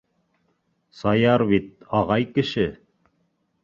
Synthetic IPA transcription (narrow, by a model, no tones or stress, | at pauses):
sɑjɑɾβit̪̚ɑʁɑjkɘ̆ʃɘ